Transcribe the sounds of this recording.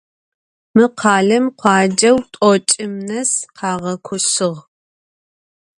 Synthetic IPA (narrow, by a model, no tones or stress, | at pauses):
mɨqʰɑːɮɐmqʷʰɑːd͡ʒɐwtʼɔt͡ʃʼɪmnɐsqʰɑːʁɐkʷʰʊɕɨʁ